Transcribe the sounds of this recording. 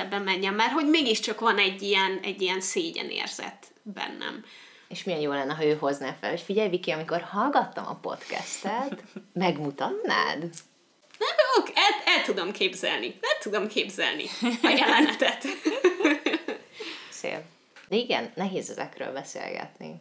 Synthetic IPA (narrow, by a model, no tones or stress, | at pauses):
ɛbːɛmːɛɲːɛmːaːrɦo̞ɟmeːɡiʃt͡ʃɒkʋɒnɛɟːijɛnɛɟːijɛnseːɟɛ̰nḛːrz̥ɛ̰t̪ | bɛ̰nːɛ̰m | eːʃmijɛnjoːlɛnːɛɦɒøːɦo̞znaːfɛ̰lhocfiɟɛjvikiɒmiko̞rhɒlɡɒt̪ːɒmɒ̰po̞̰t̪kɛ̰st̪ɛt̪mɛɡmut̪ɒt̪ːa̰ːd̪ | nɛmokɛlɛlt̪ud̪omkeːbzɛ̰lniɛlt̪ud̪omkeːbzɛ̰lnḭɒjɛlɛnɛt̪ɛt̪ | sḛːv | d̪ɛiɡɛ̰nːɛɦeːzɛzɛ̰kɾø̰ːlbɛsḛːlɡɛ̰t̪nḭ